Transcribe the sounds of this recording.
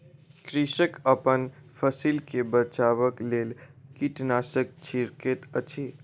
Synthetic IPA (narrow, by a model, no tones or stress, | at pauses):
kɾiʃəkəpənfʰəsiːlkebət͡ʃaːʋəkleːlkiʈnaːsək̚t͡ʃʰiɾket̪ət͡ʃʰi